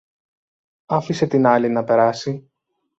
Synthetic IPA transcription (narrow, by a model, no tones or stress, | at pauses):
ɐfise̞t̪inɐlinɐpe̞ɾɐsi